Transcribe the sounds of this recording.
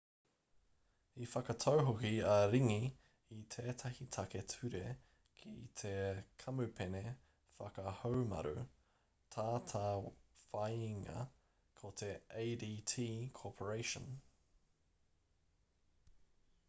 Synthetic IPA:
ifɐkɐt̪ʰowɦokiɐɾiŋi | it̪ʰeːt̪ʰɐhit̪ʰɐke̞tʰʉɾe | kʰit̪ʰe̞kʰɐmʉpʰene | fɐkɐhowmɐ̰ɾʉ̰ | t̪ʰaːt̪ʰaːfɐjiŋɐ̰ | kʰot̪ʰe̞eɪdiːtʰiːkʰoːpʰəɹeɪʃə̰̃n

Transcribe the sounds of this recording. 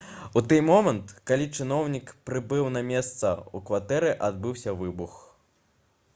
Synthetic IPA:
ut̪ɨjmɔmɐnt̪kalʲit͡ʂɨn̪ɔwnʲikpɾɨbɨwnɐmʲɛst̪sɐ̰ukvat̪ɛɾɛʔad̪̚bɨwsʲɐvɨbux

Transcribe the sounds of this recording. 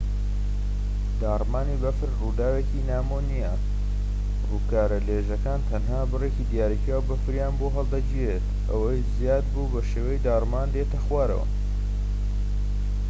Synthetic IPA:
d̪aːrmaːniːbɐfɨɾrud̪aːwecinaːmonijɐ | ruːkaːɾɐleːʒɐkaːnt̪ʰɐnɦaːbɨrecid̪ijaːɾikawbɐfɨɾjaːnboɦɐlˠd̪ɐd͡ʒiwet̪ʔɐwɐjzijaːd̪bubɐʃeːwɐjid̪aːrmaːnd̪eːt̪ɐxwaːɾɐ̰wɐ̰

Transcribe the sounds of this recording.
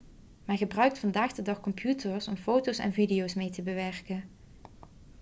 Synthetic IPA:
mɛnχəbrœɥk̚tfɑndaːχdədɑχkɔmpʰjutəɹsɔmfowtowsɛ̰nvidijowsmejtəbəʋɛrkən

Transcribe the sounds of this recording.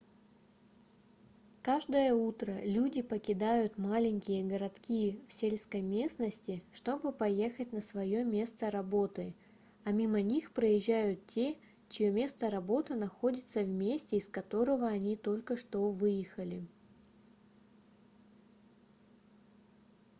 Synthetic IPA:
kaʐd̪əjəut̪ɾəlʲudʲɪpəkʲɪd̪ajʊt̪malʲɪnʲkʲɪjəɡəɾɐt̪kʲijəfsʲelʲskəjmʲe̞snəsʲtʲɪʂt̪o̞bɨpɐje̞xət̚ʲnəsvɐjomʲe̞st̪əɾɐbo̞t̪ɨ | ɐmʲimənʲixpɾəjɪʑːæjʊt̪tʲe̞ | t͡ɕɪjomʲe̞st̪əɾɐbo̞t̪ɨnɐxo̞dʲɪt̪səvmʲesʲtʲɪɪskɐt̪o̞ɾəvəɐnʲit̪o̞lʲkəʂt̪o̞vɨjɪxəlʲɪ

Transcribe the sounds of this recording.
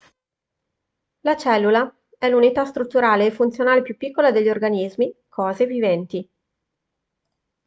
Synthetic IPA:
lat͡ʃɛlːula | ɛlunit̪ast̪ɾut̪ːuɾaːleːfunt̪sjonaːlepjupːikːolad̪eʎːiorɡanizmikʰɔːzevivɛnt̪i

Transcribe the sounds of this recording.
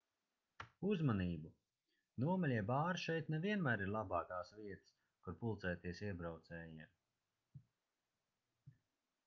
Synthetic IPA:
uzmaniːbu | nuɔmalʲiɛbaːɾʃɛjt̪nɛviɛnmæːɾiɾlˠabɑːkaːsviɛt̪s | kuɾpulˠt̪sɛːt̪iɛsiɛbɾawt̪sɛːjim

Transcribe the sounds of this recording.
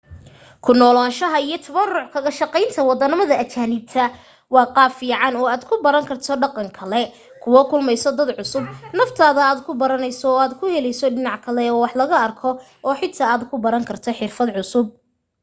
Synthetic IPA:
kʰʊnɔːlaːʃɐɦɐijɞt̪ʰɐβɐrʊʕkʰɐɣɐʃɑqɛjnt̪ʰɐwɑd̪ɐnɪmɐðɐɐt͡ʃaːnɪb̚t̪ʰɐ | wɑːqɑːfiːʕɑnɔːaːd̪kʰʊbɐɾɐŋkʰɐrt̪ʰɔɖɑqɑŋkʰɐlɛ | kʰʊwɔkʰʊlmɛjsɔd̪ɐd̪ʕʊsʊb̚nɐft̪ʰaːðɐaːd̪kʰʊbɐɾɐnɛjsɔːaːd̪kʰʊhɛlɛjsɔɖɪnɑʕkʰɐlɛɔːwɑħlɐɣɐɐrkʰɔ | ʔɔːħɪt̪ʰaːaːd̪kʰʊbɐɾɐŋkʰɐrt̪ʰɔħɪrfɐd̪ʕʊsʊb̚

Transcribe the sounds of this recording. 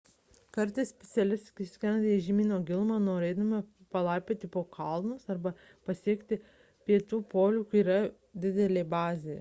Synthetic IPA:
kɐɾʲt̪ɐɪssʲpʲɛ̥t̪sʲɛlʲɪst̪ʲkʲɪsʲkʲɛnɐd̪ʲeʒʲimʲiːnoːɡʲɪlˠmɑːnoːɾʲeːd̪ɐmɐ | pɐlˠɐɪpʲeːt̪ʲɪpoːkʰɐlˠnʊsɐɾbɐ | pɐsʲiɛkt̪ʲɪ | pʲiɛt̪uːpoːlʲuːkiːɾɐ | d̪ʲɪd̪ʲɛlʲeːbɑːzʲej

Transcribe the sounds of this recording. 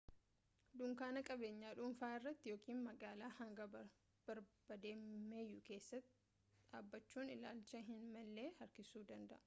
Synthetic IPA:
d̪ʊŋkaːnɐkʼɐbe̞ːɲːaːᶑʊmfaːɪrːɐt̪ːɪjoːkʰiːnmɐɡaːlaːhɐŋɡɐ | b̥ɐɾb̥ɐd̪eːmmːeːjːʊke̞ːsːɐt̪ː | ᶑaːbːɐt͡ʃːuːnɪlaːlt͡ʃɐɦɪnmɐlːe̞ːhɐɾkɪsuːd̪ɐnd̪ɐʔɐ

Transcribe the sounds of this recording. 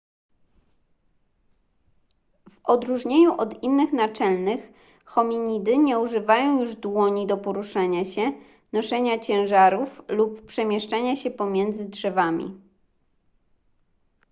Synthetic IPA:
vɔd̪ɾuʐɲeɲuʔɔd̪inːɘxnat͡ʂɛlnɘx | xɔmʲiɲid̪ɘɲɛuʐɘvajɔ̃w̃juʐd̪wɔɲid̪ɔpɔɾuʂaɲaɕɛ | nɔʂɛɲat͡ɕɛ̃w̃ʐaɾuflupːpʂɛmʲjɛʂt͡ʂaɲaɕɛpɔmʲjɛnd̪zɘdʐɛvamʲḭ

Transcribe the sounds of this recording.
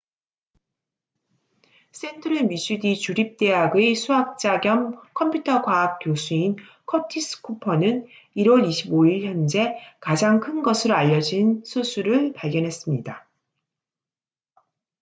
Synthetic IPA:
s͈e̞ntʰɯɾɯmiɕʰudit͡ɕuɾip̚t͈e̞ɦaɡesʰuɦak̚t͡ɕ͈aɡjʌmkʰʌmpʰjutʰʌkwaːk̚k͈josʰuin | kʰʌtʰis͈ʰɯ̥kʰupʰʌnɯn | iɾwʌɾiɕʰiboiɭçjʌnd͡ʑe̞kad͡ʑaŋkʰɯnɡʌsʰɯɾoaʎːʌd͡ʑinsʰusʰuɾɯɭpaɭɡjʌnɦe̞s͈ɯmɲida

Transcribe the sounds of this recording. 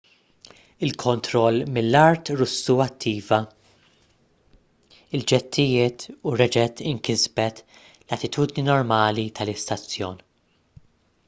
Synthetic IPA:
ɪlkʰɔnt̪ɾɔlːmɪlːɐɾt̪ɾʊsːuɐt̪ʰːiːvɐ | ɪld͡ʒɛt̪ʰːɪjɪːt̪uɾɛd͡ʒɛt̪ːɪŋkɪzbɛt̪ | lɐt̪ɪt̪ʰuːd̪ninɔɾmɐːlit̪ʰɐlɪst̪ɐt͡sːjɔːn

